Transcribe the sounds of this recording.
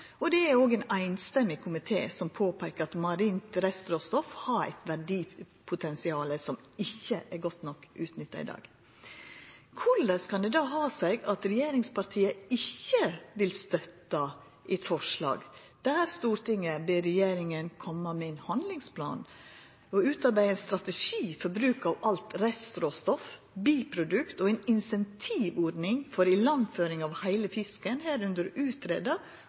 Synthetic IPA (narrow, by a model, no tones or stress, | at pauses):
ɔd̪ɛæɾoːɡɛɪnæɪnst̪ɛmːɪkʰʊmɪt̪ʰḛːsɔmpʰoːpʰæɪkəɾɑt̪mɑɾiːnt̪ɾɛst̪ɾoːst̪ɔfhɑɾæ̰ɪt̪ʋæɖiː | pʰʊt̪ʰɛnsɪɑːləsɔmɪçːəʔɛɾɡɔt̪nɔkːʉːt̪nʏt̪ːɑ̰ɪ̰d̪ɑ̰ːɡ | kʰʊləskʰɑnd̪ɛd̪ɑːɦɑːsɛɪɡɑt̪ɾɛjeːɾɪŋspɑɾt̪ʰiːəɪçːəʋɪlst̪œt̪ːɑ | ʔɪt̪fɔʂlɑ̰ːɡ | d̪̥æːɾst̪uːɾt̪ɪŋəbeɾɛjeːɾɪŋənkʰɔmːɑmɛɛnhɑnd̪lɪŋspʰlɑ̰ːn | ɔʉːt̪ɑɾbæɪɛɪnst̪ɾɑt̪ɛʂiːfɔɾbɾʉːkɑʋɑlt̪ɾɛst̪ɾoːst̪ɔf | biːpʰɾʊd̪ʉkt̪ɔɛnɪnsɛnt̪ʰiːʋɔɖnɪŋfɔɾɪlɑnføːɾɪŋɑʋhæɪləfɪskənheːɾʉnd̪əɾʉːt̪ɾḛːd̪ɑ